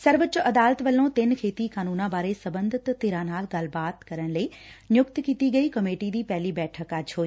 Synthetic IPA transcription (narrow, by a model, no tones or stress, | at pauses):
sɐɾʋət͡ɕʔɐd̪aːlət̪ʋɐlõt̪ɪnkʰeːt̪ikaːnuːnãbaːɾesɐbə̃nd̪ʱɪt̪t̪ːɪːɾaːnaːlɡaːlbaːt̪kɐɾəɽ̃̆ləinjʊkt̪kiːt̪iɡɐikɐmeːʈid̪iːpɐɦɪliːbɛːʈʰəkaːt͡ɕʰoːiː